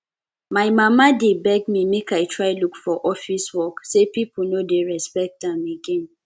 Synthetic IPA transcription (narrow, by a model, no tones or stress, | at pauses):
maɪmamadebɛɡ̚mimekaɪtʰɹaɪlukfɔʔɔfiswɔksepipunodeɹɛspɛk̚tãmeɡẽn